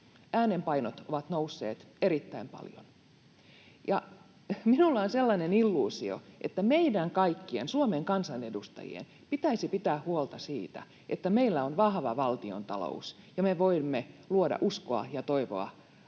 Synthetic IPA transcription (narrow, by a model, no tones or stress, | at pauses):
ʔæːnempɑinot̪oʋɑt̪nouwsːḛːt̪eɾit̪ːæimpɑ̰ljo̰n | jɑ | minulːɑonselːɑnenilːuːsio̰ʔet̪ːæmeidæŋkɑikːiensuomeŋkɑnsɑne̞dust̪ɑ̰jḭḛn | pit̪æisipit̪æːhuolt̪ɑsiːt̪æ̰ | ʔet̪ːæmeilːæonʋɑhʋɑʋɑlt̪io̰nt̪ɑlo̰us | jɑmeʋoimːeluodɑ̰ʔuskoɑ̰jɑt̪oiʋo̰ɑ̰